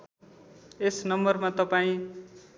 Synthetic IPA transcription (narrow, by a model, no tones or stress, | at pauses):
esnʌmbʌrmat̪ʌpaĩ